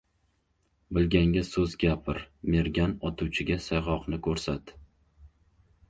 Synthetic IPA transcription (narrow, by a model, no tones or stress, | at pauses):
bɪlɡʲaŋɡʲasɵzɡʲapʰɪɾme̞ɾɡʲanɒt̪ʰuwt͡ʃʰɪɡʲasajʁɒqnɪkʰɵɾsat̪